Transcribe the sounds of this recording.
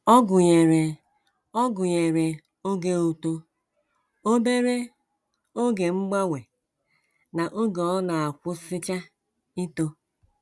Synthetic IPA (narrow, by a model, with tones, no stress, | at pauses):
ɔ˦ɡʊ˨ɲe˨ɾe˨ | ɔ˦ɡʊ˨ɲe˨ɾe˨ | o˦ɡe˦o˨to˦ | o˦be˦ɾe˦ | o˦ɡe˨ŋ͡m̩˦ɡ͡ba˦wʷe˨ | na˨ʔo˦ɡe˨ɔ˦na˨a˨kʷʊ˦sɪ˦t͡ʃa˦ | i˦to˦